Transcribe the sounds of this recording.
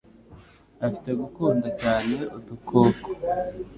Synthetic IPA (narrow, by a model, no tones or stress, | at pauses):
afi̥te̞ɡukuːndacaːne̞ʔutukoːko̥